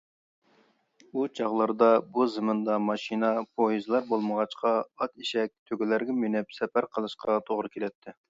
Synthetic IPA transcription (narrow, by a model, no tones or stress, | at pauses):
ut͡ʃʰɑʁlˠɑɾd̪ɑbuzɨmɨnd̪ɑmɑʃinɑpʰojizɨlˠɑɾbolˠməʁɑt͡ʃqʰɑɑt̪iʃɛk̚ʲt̪ʰøɡʲɪlæɾɡʲɛmenɪpsɛpæɾqʰəlˠɨʃqʰɑt̪ʰoʁɾɨkʲʰelɛt̪ʰːɪ